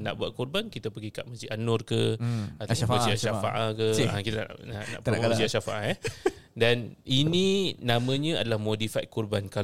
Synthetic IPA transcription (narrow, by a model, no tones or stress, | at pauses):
na̰ʔbuaʔ̪̚kurbankit̪əpəɡikaʔməsianɔrkəat̪əsiaʃafa̰ʔakəãkit̪ana̰nana̰ʔpəd͡ʒiaʃafa̰ʔaɛ | danininãmə̃ɲə̃adalahmodifajt̪̚kurbanka